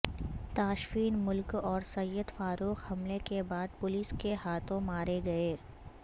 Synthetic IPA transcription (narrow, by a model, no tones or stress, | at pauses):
t̪aːʃfiːnmʊlkɔːɾsɐjəd̪faːɾuːxhɐmlekebaːd̪̚pʊliːskehaːt̪ʰõmaːɾeɡɐeː